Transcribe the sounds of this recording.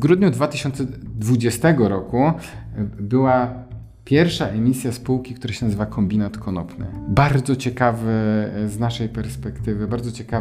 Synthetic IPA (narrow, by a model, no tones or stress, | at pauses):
vɡɾud̪ɲud̪vat̪ɘɕɔnt̪sɛd̪vud͡ʑɛst̪ɛɡɔɾɔku | bɘwa | pʲjɛɾfʂaʔɛmʲisʲjaspuwkʲikt̪uɾaɕɛnazɘvakʰɔmbʲinat̪kʰɔnɔ̰pnɘ̰baɾd̪zɔt͡ɕɛkavɘznaʂɛjpɛɾspɛkt̪ɘvɘbaɾd̪zɔt͡ɕɛka